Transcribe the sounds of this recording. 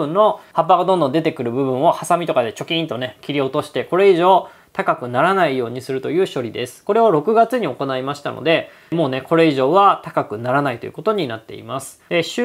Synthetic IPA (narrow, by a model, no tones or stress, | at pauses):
ɯ̃nːo̞hap̬ːaɡad̪õnd̪o̞nd̪e̞t̪e̞kɯ̟ɾɯ̟bɯ̟bɯ̟̃ɰ̃o̞hasamʲit̪o̞kad̪e̞t͡ɕo̞kʲĩnt̪o̞ne̞kʲiɾʲio̞t̪o̞ɕi̥t̪e̞ko̞ɾe̞iʑo̞ː | t̪akakɯ̟naɾanaijo̞ːɲ̟isɨɾɯ̟t̪o̞jɯ̟ːɕo̞ɾʲid̪e̞sɨ̥ko̞ɾe̞βaɾo̞kɯ̟ɡat͡sɨɲ̟io̞ko̞naimaɕi̥t̪a̰no̞̰d̪e̞ | mo̞ːne̞ko̞ɾe̞iʑo̞ːβat̪akakɯ̟naɾanait̪o̞jɯ̟̰ko̞t̪oɲ̟inat̪ːe̞ḭmasɨ̥d̪̥e̞ɕ